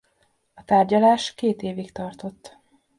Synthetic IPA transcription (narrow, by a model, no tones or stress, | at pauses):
ɒt̪aːrɟɒlaːʃkeːt̪eːvikt̪ɒrt̪o̞t̪ː